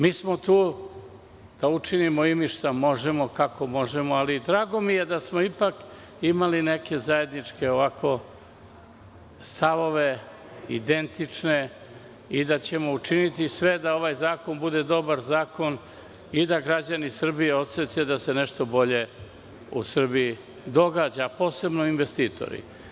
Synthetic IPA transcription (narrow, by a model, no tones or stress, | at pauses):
miːsmot̪uː | d̪̥aut͡ʂinimoimiʃt̪amo̞ʒemokakomo̞ʒemoalid̪ɾaːɡo̞mije̞d̪asmoipak | imaline̞ke̞zaje̞d̪nit͡ʂke̞oʋakʰo̞ | st̪aʋo̞ʋe̞ | id̪ent̪it͡ʂne̞ | id̪at͡ɕe̞mo̞ut͡ʃinit̪isʋe̞d̪ao̞ʋajzaːko̞nbud̪e̞d̪o̞baɾzaːko̞n | id̪aɡɾad͡ʑanisr̩bijeo̞t̪set̪ed̪ase̞neʃt̪o̞bo̞ʎe̞ | ṵsr̩bii | d̪o̞ɡaːd͡ʑapo̞ːse̞bnoinʋe̞st̪iːt̪ʰo̰ɾḭ